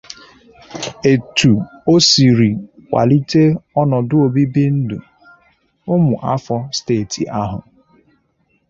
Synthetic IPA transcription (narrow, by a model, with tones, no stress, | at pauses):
e˨tu˨o˦si˨ɾi˨kʷa̰˨li˦te˦ɔ˦nɔ˨dʊ˦o˨bi˦bi˦n̩˦dṵ˨ | ʊ˦mʊ˨ʔa˦fɔ˦steː˦˨tʰḭ˨ʔa˦ɦʊ̰˨